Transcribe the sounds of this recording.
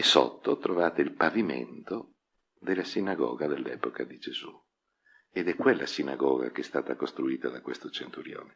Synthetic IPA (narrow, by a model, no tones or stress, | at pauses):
eso̰t̪ːot̪ɾovaːt̪eilpavimḛnt̪o | d̪elːasinaɡɔ̰ːɡad̪elːɛ̰ːpokad̪id͡ʒezu | ed̪ɛkwelːa̰sinaɡɔːɡa̰keɛst̪aːt̪akost̪ɾuiːt̪ad̪akwest̪ot͡ʃent̪uɾjɔ̰ːle